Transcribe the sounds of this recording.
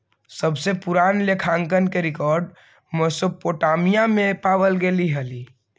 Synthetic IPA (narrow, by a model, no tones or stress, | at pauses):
səbsepuɾanlekʰaŋkənkeɾikɔɾɖ | məsopoʈamijamẽpaʋəlɡeliɦəli